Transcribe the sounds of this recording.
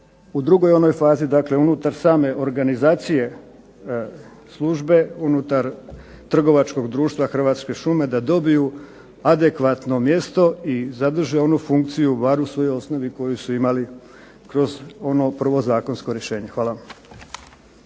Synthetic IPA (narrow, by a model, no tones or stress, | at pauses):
ud̪ɾuɡo̞jo̞no̞jfaːzid̪akle̞unut̪aɾsaːme̞ʔo̞ɾɡanizaːt̪sije̞ | slˠuʒbe̞unut̪aɾ | t̪r̩ɡo̞ʋat͡ʃko̞ɡd̪ɾuːʃt̪ʋaxr̩ʋaːt̪ske̞ʃume̞d̪ad̪o̞biju | ad̪e̞kʋat̪no̞mje̞st̪o̞izad̪r̩ʒeo̞nufuŋk̚t̪sijubaɾusʋo̞joo̞sno̞ʋiko̞jusuimali | kɾo̞zo̞no̞pr̩ʋo̞zaːko̞nsko̞ɾjeʃe̞ːɲe̞xʋaːlˠa